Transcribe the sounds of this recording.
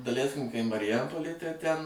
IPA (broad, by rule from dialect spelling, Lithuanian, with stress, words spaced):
dɐˈlʲɛɪsʲkʲɪm kɐɪ mɐrʲɪˈjɛmpoːlʲeːj tɐɪ ˈtʲɛn